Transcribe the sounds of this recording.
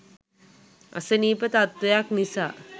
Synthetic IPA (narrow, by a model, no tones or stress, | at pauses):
a̰səniːpət̪at̪ʋejaknisa̰ː